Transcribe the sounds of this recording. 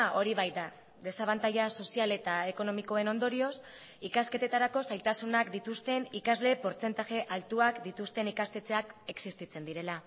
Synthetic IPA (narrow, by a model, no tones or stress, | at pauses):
ʔo̞ɾiβ̞ajd̪a | ðe̞saβant̪ajaso̞siale̞t̪ae̞ko̞no̞miko̞e̞no̞nd̪o̞ɾio̞s | ikaske̞t̪e̞t̪aɾako̞salt̪asunakd̪it̪ust̪e̞nikazle̞po̞ɾt͡se̞nt̪aʝe̞ʔalt̪uakd̪it̪ust̪e̞nikast̪e̞t͡se̞ake̞ksist̪it͡se̞nd̪iɾe̞la